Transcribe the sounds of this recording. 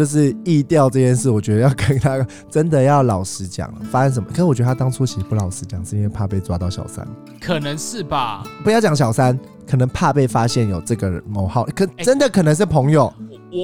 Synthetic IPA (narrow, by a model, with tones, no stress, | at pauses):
jo˥˧ʊʂ̬ɻ̩˥˧i˥˧t̪jɑ˥˧ʊʈ͡ʂɤ˥˧˩jɛ˥˧nʂɻ̩˥˩wɔ˨˩t͡ɕɥɛ˧˥d̪ə˧jɑ˥˩ʊkə˥nt̪ʰa˥˦ | ʈ͡ʂə˦˥nd̪ə˨jɑ˥˩ʊlɑ˨˩ʊʂɻ̩˧˥t͡ɕjɑ̰˨˩ŋfa˥ə˥nʂ̬ə˨˩mə˨kə˨˩nə˦ŋwɥɛ˧˥ə˧a˥t̪ɑ˥ŋt͡sʰu˥t͡ɕʰi˧˥˧pu˧lɑ˨˩ʊʂɻ̩˥t͡ɕjɑ˨˩ŋʂɻ̩˥˩i˦nwe˥˧ɪpʰa˥˧pe˥˩ɪt͡swa˥t̪ɑ˥˩ʊɕjɑ̰˨˩ʊsa̰˦n | kʰə˨˩nə˧˦ŋʂɻ̩˥˩ba˩pu˧˦jɑ˥˩ʊt͡ɕɑ˨˩ŋɕjɑ˨˩ʊsa˦˥n | kʰɤ˨˩nə˧˦ŋpʰa˥˧pe˥˩ɪfa˦˥ɕjɛ˥˩njo˨˩ʊʈ͡ʂɤ˥˩ɡə˨ɻə˧˦nmo˧˦ʊxɑ˥˩ʊʔkʰʈ͡ʂə˦nd̪ə˨kʰɤ˨˩nə˧˦ŋʂ̬ɻ̩˥˩pʰɤ˧˦ŋjo˨˩ʊ